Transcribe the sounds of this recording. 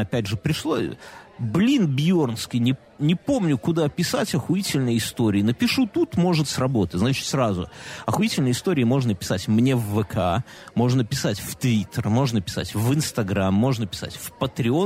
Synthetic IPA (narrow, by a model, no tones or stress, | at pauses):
ɐpʲædʲʐɨpɾʲɪʂlˠo̰blʲinbʲjo̞rnskʲɪjnʲɪ | nʲɪpo̞mnʲʊkʊd̪apʲɪsatʲɐxʊitʲɪlʲnəjɪst̪o̞ɾʲɪːnəpʲɪʂut̪ut̪mo̞ʐɨt̪srɐbo̞t̪ətʲznat͡ɕɪ̥t̪sɾazʊ̰ɐxʊitʲɪlʲnəjɪst̪o̞ɾʲɪːmo̞ʐnəpʲɪ̥satʲmnʲe̞vːəkʰa | mo̞ʐnəpʲɪsatʲft̪vʲit̪ʰːərmo̞ʐnəpʲɪ̥sa̰tʲvɨnst̪ɐɡɾamːo̞ʐnəpʲɪ̥sa̰tʲfpət̪ɾʲɪo̞